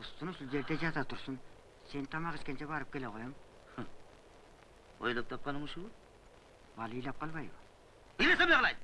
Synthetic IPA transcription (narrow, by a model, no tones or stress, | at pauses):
ʊst̪ʊnʃulˠd͡ʒeɾd̪ed͡ʒɑt̪ɑt̪ʰʊɾsʊn | se̞nt̪ʰɑmɑʁet̪kʲent͡ʃʰebɑɾɨp̚kʲʰeleqʰojɑm | o̰jlˠɨp̚t̪ʰɑp̚qɑnumʊʃuwʊ | bɑlˠijlˠɑp̚qʰɑlˠbɑjbʊ | ilesebɪlʁlˠɑj̪